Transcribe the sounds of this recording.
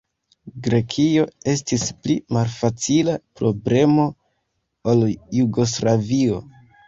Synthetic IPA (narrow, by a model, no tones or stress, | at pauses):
ɡɾe̞kʰio̞e̞stisplimalfat͡silapɾo̞ble̞mo̞ | oljuɡo̞s̬lavio̞̰